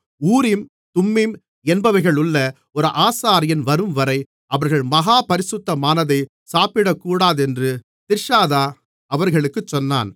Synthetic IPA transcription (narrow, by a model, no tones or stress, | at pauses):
uːɾɪm | t̪ʊmːɪm | ɛnbɐʋɐɪɣɐɭʊɭːɐ | ɔɾɯʔaːsaːɾɪjɐnʋɐɾɯmʋɐɾɐɪ | ʔɐʋɐɾɣɐɭmɐɣaːpɐɾɪsʊt̪ːɐmaːnɐðɐɪ | saːpɪɽɐkːuːɽaːðɛndrɯ | t̪ɪɾʂaːðaː | ɐʋɐɾɣɐɭɯkːɯt͡ʃːɔnːaːn